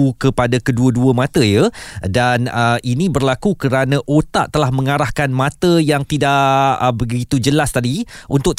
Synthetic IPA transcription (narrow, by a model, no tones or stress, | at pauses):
ukəpadakəduəduəmãt̪əjədanəʔinĩbərlakukəɾanãʔot̪a̰ʔt̪əlahmə̃ŋaɾahkanmãt̪əjaŋt̪idaʔəbəɡit̪ud͡ʒəlast̪adiʔunt̪ʊk̚t̪